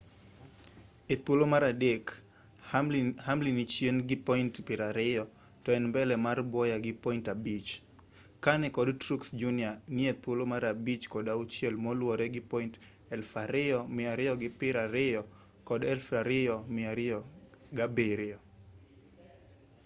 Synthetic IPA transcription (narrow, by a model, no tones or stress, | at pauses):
et̪wolomaɾadek | hamlinit͡ʃenɡɪpɔintpɪɾaɾɪjɔ | tɔɛnmbɛlɛmarbɔjaɡɪpɔintabit͡ʃ | kanɪkɔdtɾuksd͡ʒunianɪet̪wolomaɾabit͡ʃkɔdaut͡ʃjelmɔlwɔɾɛɡɪpɔint | ɛlfaɾɪɔmɪaɾɪɔɡɪpɪɾaɾɪjɔ | kɔdɛlfaɾɪɔmɪaɾɪɔɡabeɾɪɔ